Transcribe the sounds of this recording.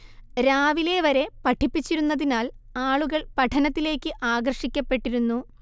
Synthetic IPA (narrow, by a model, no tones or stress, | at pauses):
ɾaːʋile̞ʋɐɾe̞pɐʈʰipːit͡ɕːiɾunːɐðinaːl | aːɭuɣɐɭpɐʈʰɐnɐt̪ːile̞ːkːɨʔaːɡɐrʂikʲːɐpːe̞ʈːiɾunːu